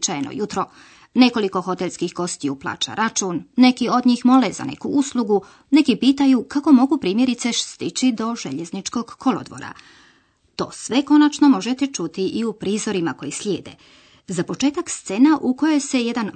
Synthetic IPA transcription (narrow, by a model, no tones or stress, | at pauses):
t͡ʃajeno̰jut̪ɾo̞ | ne̞ko̞liko̞xo̞t̪elskixɡo̞st̪iuplˠa̰ːt͡ʃa̰ɾʔat͡ʃuːnːe̞kio̞d̪ɲiːxmo̞leza̰ne̞̰kuuslˠuɡu | ne̞kipiːt̪ajukako̞mo̞ɡupɾiːmje̞ɾit̪se̞st̪it͡ɕid̪o̞ʒe̞̰ʎe̞znit͡ʃko̞ɡkʰo̞lo̞̰d̪ʋo̞̰ɾa̰ | t̪o̞̰ːsʋe̞ko̞nat͡ʃno̞mo̞ʒet̪et͡ʃut̪iʔiupɾiːzo̞ɾimako̞jislʲjeːd̪e̞̰ | zapo̞t͡ʃe̞ːt̪akst̪se̞naʔuko̞jo̞jse̞je̞d̪an